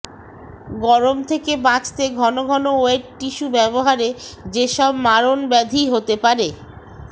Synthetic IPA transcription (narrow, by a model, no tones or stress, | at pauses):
ɡɔɾomt̪ʰekebãt͡ɕt̪eɡʱɔnoɡʱɔnooeʈʈiʃubɛboɦaɾed͡ʑeʃɔbmaɾonbɛd̪ʱiɦot̪epaɾe